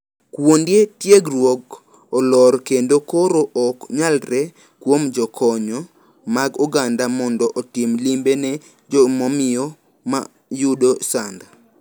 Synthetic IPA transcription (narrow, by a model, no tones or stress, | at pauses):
kwondjetjeɡɾwoɡ | ɔlɔɾkendokoɾoʔɔkɲalɾɛ | kwomd͡ʒɔkʰɔɲɔ | maɡuɡandamɔndɔʔɔtimlimbenɛ | d͡ʒɔmɔmɪjɔ | ma̰ | judosand̪a